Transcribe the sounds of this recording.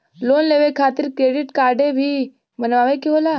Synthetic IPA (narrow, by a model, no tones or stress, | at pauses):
loːnleːʋekʰaːt̪ɪɾkɾeːɖɪʈkaːɾɖebʱi | bənʋaːʋekiɦoːla